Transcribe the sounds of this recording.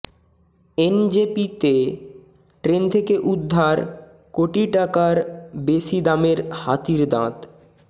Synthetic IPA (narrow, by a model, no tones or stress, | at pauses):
end͡ʑepit̪e | ʈɾent̪ʰekeʔud̪ʱːaɾ | koʈiʈakaɾbeʃid̪ameɾhat̪iɾd̪ã̰t̪